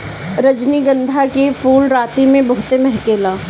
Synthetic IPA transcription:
ɾɐd͡ʒniɡə̃nd̪ʱakepuːlɾaːt̪imẽbɐɦʊt̪emɛɦkeːlaː

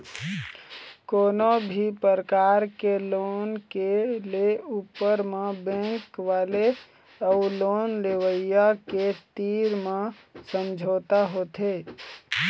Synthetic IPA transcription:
koːnobʱipəɾəkaɾkelonkeleupəɾmebẽŋkʋale | əulonleʋəjːaket̪iɾmẽ | səmd͡ʒʱot̪aɦot̪ʰe

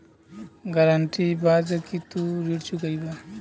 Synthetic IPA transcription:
ɡaɾəɳʈibad͡ʒəkit̪uɾiɾt͡ʃʰuɡəjba

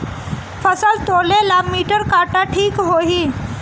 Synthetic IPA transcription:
fəsəlt̪ʰolelamiʈəɾkaʈaʈʰiːkɦoɦi

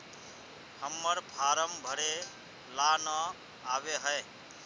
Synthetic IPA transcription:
həmːəɾpʰaɾəmbʱəɽe | lanə | aβeɦəe

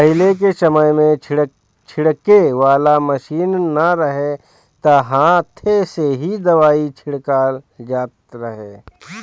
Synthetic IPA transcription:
pɐɦɪlek̬esɐməjmẽ | t͡ʃʰɪɽkeʋaːlamɐʃiːnːɐɾɐɦe | t̪ɐɦãːt̪ʰeseɦid̪ɐʋaːit͡ʃʰɪɽkaːld͡ʒaːt̪ɾɐɦeː

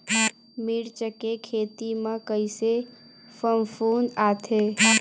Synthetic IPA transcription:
miɽt͡ʃəkekʰeːt̪imãkəɪse | fəmfuːnaːt̪ʰeː

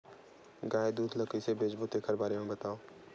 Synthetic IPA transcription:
ɡaːed̪uːd̪ləkisebeːd͡ʒbut̪eːkʰəɾbaːɾemẽbɐt̪aːoː

